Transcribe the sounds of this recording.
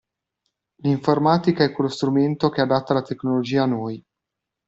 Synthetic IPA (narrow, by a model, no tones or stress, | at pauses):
liɱformaːt̪ikaɛkːwelost̪ɾument̪okead̪at̪ːalat̪eknolod͡ʒiːaːnoj